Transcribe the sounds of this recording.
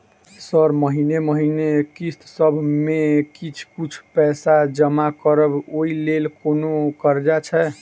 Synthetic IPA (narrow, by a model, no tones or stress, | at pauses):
səɾməɦineməɦinekist̪səbʱmekit͡ʃʰkut͡ʃʰpɛsad͡ʒəmakəɾəboilelkonokəɾd͡ʒat͡ʃʰɛ